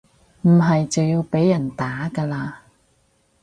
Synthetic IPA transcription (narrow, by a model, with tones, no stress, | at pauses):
m̩˨˩ɦɐ˨jt͡sɐ˨wjiː˧wpe˨˥jːɐ˨˩nt̪aː˨˥kaː˧laː˧